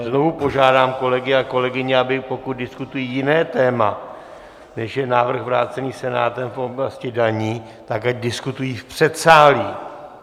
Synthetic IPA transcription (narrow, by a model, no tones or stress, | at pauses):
zno̞vupo̞ʒaːdaːmko̞lɛɡɪako̞lɛɡɪɲɪabɪpo̞kut̪̚dɪskut̪ujiːjɪnɛːt̪ɛːma | nɛʃjɛnaːvr̩ɣvɾaːt͡sɛniːsɛna̰ːt̪ɛmfʔo̞blascɪdaɲiː | t̪akacdɪskut̪ujiːfpr̥ɛt̪saːliː